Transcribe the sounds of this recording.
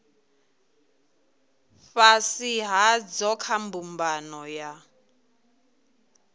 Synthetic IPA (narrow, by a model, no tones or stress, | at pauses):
fasiɦad͡zɔkʰambumbanɔja